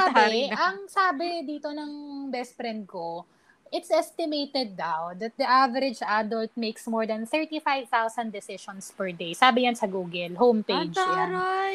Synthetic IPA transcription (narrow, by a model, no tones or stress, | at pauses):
saːbɪʔɐŋsaːbɪd̪iːt̪onɐŋbɛst̪̚pɾɛ̃nd̪̚ko | ʔɪt̪sʔɛst̪ɪmejt̪ɛd̪̚ːawd̪ɐt̪̚d̪ɐʔavɛɾɪd͡ʒʔad̪ɔlt̪̚mejksmoɹd̪ɐnθɛɹt̪ifajvt̪awsɐ̃nd̪ɛsɪʃɔnspɛɹd̪ejsaːbɪjansɐɡuːɡɛlɦowmpejd͡ʒjan